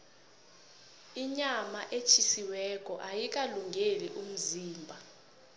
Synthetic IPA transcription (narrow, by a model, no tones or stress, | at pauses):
iɲamaʔet͡ʃʰisiwɛk̬ʼɔʔajik̬ʼaluŋɡʱeliʔum̩ziːmbʱa